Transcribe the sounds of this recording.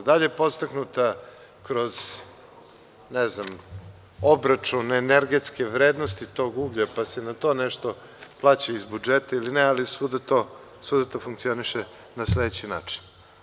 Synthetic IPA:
d̪aʎepo̞t̪st̪aknut̪a | kɾo̞z | nɛznam | obɾat͡ʂuneneɾɡet̪skeʋɾeːd̪nost̪it̪o̞ːɡuɡʎapasenat̪o̞ːnɛʃt̪o̞ | plˠaːt͡ɕaizbud͡ʒet̪ailinɛalisud̪at̪o | suːd̪at̪ofuŋkt̪sio̞niʃe | nasled̪et͡ɕina̰ːt͡ʂi̥n

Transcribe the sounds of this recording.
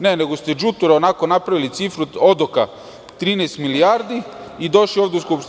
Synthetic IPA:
ne̞ne̞ɡost̪ed͡ʒut̪uɾaonako̞napɾaʋilit̪sifɾuo̞d̪oka | t̪ɾiːnest̪miliaːɾd̪iid̪o̞ʃlioːʋd̪euskupʃt̪

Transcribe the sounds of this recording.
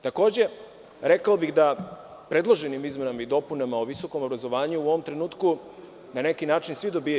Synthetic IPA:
t̪ako̞ːd͡ʑe̞ | ɾekaobiɣd̪a | pɾe̞d̪lˠoʒe̞nimizmenamaid̪o̞punamaoʋiso̞ko̞mobɾazo̞ʋaːɲuuo̞ʋo̞mt̪ɾe̞nuːt̪ku | nane̞kinaːt͡ʃinsʋid̪o̞biː

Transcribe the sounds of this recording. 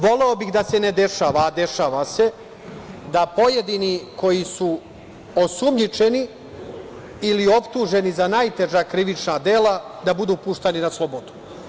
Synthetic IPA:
ʋo̞le̞obiɣd̪ase̞ne̞d̪e̞ʃaːʋaːd̪e̞ʃaːʋase̞ | d̪apo̞je̞d̪iniko̞jisu | osumɲit͡ʃe̞ni | lio̞pt̪uʒe̞nizanajt̪e̞ʒakɾiʋit͡ʃnad̪eːlad̪abud̪uːpuʃt̪eninaslˠobod̪u̥

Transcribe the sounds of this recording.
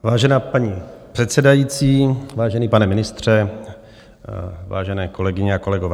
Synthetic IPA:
vaːʒɛnaːpaɲipr̥ɛt̪sɛdajiːt͡siːvaːʒɛniːpanɛmɪnɪst̪r̝̥ɛ | va̰ːʒɛnɛːko̞lɛɡɪɲɛako̞lɛɡovɛː

